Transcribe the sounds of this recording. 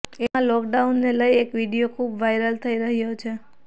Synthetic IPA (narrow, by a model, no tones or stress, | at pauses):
emãlɔkɖaunːeləjekʋiɽijokʰubʋajɾəlt̪ʰəiɾəɦjot͡ʃʰe